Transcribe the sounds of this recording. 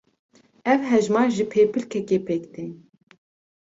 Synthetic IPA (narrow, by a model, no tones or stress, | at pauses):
ɛvɦɛʒmɑːɾʒɨpʰeːpʰɨlkʰɛkeːpʰeːkd̪ɨn